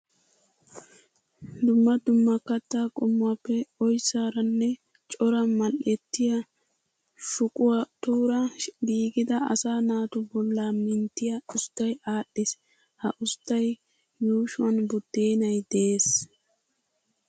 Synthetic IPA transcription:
d̪ʊmːɐd̪ʊmːɐkːɐt̪ːaːkʼʊmːʊwapːɛɔjsaːɾɐnːɛ | t͡ʃʼɔɾɐmɐlʔɛt̪ːɪjɐ | ʃʊkʼʊwɐt̪uːɾɐbiːɡɪd̪ɐɐ̰saːnaːt̪ʊbɔlːaːmɪnt̪ːɪjɐʊst̪ːɐjaːɗːɪs | hɐʔʊst̪ːɐj | juːʃʊɐnbʊd̪̥eːnɐjd̪eeːs

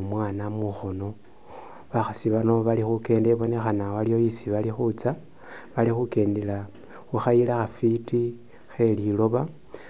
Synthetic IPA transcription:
mwaːnamuxono̞ | βaxasiβano̞βalixuke̞ːnde̞βo̞ne̞xanawalijo̞jisiβalixut͡sa | βalixuke̞ːndela | xuxajilaxafiti | xe̞lilo̞βa

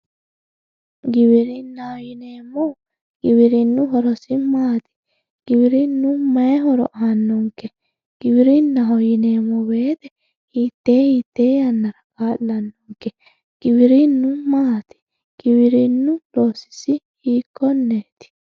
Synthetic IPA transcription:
ɡɪβɪɾɪnːɐhɔjɪneːmːɔ | ɡ̥ɪβɪɾɪnːʊɦɔɾɔsɪmaːt̪ɪ̥ | ɡ̥ɪbɪɾɪnːʊmɐɛɦɔɾɔ̰ʔɐnːɔŋkːɛ | ɡ̥ɪβɪɾɪnːɐɦɔjɪneːmːɔbe̞ːt̪ɛ | hiːt̪ːe̞ːhiːt̪ːe̞ːjɐnːɐɾɐkaːlːɐnːɔŋkːɛ | ɡ̥ɪbɪɾɪnːʊmaːt̪ɪ̥ | ɡ̥ɪbɪɾɪnːʊloːsɪ̥sɪ | hiːkʰːɔnːeːt̪ɪ̥

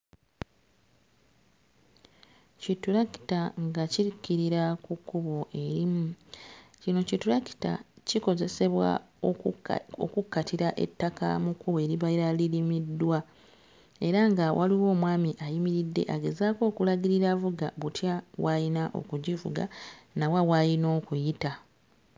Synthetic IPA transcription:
cituɾaki̥taŋɡaciikːiɾiɾakukːuβo̞ʔe̞ɾimucino̞cituɾaki̥ta̰ciko̞ze̞se̞βwa̰ | o̰kukːatiɾaʔe̞̰tːaka̰mukːuβe̞ɾiβaiɾalilimidːwa | e̞ɾaŋɡawʔa̰liwo̞ːmwaːmiʔajimiɾidːe̞̰ʔaɡe̞zaːko̞ːkulaɡiɾiɾavuɡaβutjawajinaʔo̞̰kuɟivṵɡa̰nawawajino̞ːkujita

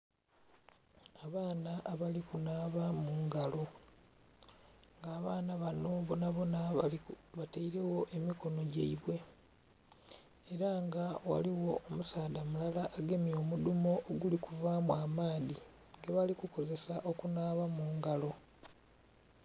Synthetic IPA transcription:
aβaːnaʔːβalikunaːβamuːŋɡalo̞ | ŋɡaːβaːnaβano̞βonaβo̞na | βataiɾe̞wo̞ʔe̞miko̞no̞ɟḛiβwe̞ | ɾaŋɡawa̰liwo̞ʔːmusaːdamulalaʔːɡe̞mio̞ːmudumo̞ʔːɡulikuvamwaːmaːði | ŋɡeβalikuko̞ze̞saʔo̞kunaːβamuːŋɡalo̞

